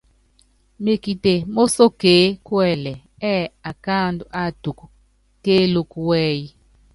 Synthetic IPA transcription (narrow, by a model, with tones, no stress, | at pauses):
me˨ki˨te˨mo˦so˦keː˨˦kwɛ˨lɛ˨ | ɛ˦a˨ka˦ndu˨ʔa˦˨tu˨ku˨ | keː˦lo˦ku˨wɛː˦ji˦